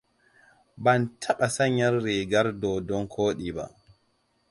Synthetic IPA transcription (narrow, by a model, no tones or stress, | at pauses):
bantʰaɓasaɲːaɾːɛɡaɾdɔdɔnkʰoːɗiba̰